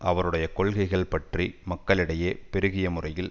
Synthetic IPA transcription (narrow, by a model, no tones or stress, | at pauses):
ʔɐʋɐɾɯɽɐjɐkɔɭɣɐɪɣɐɭpɐʈrimɐkːɐɭɪɽɐjeːpɛɾɯɣɪjɐmʊrɐjɪl